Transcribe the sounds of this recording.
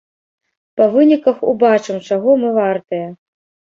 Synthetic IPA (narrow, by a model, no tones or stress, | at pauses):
pɐvɨnʲikɐxṵbat͡ʂɨmt͡ʂaɣɔmɨvart̪ɐjɐ